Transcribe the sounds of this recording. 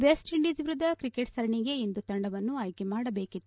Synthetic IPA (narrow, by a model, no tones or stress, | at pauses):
ʋesʈiɳɖiːd͡ʒʋiɾud̪ɐkɾikeʈsɐɾɐɳiɡe̞ind̪ut̪ɐɳɖɐʋɐnːuɐːjkemaːɽɐbe̞ːkit̪ːu